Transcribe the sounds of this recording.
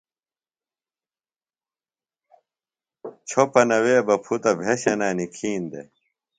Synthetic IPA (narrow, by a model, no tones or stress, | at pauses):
t͡ɕʰopɐnɐweːbɐpʰut̪ɐbʱeɕenaːnikʰiːnd̪ḛ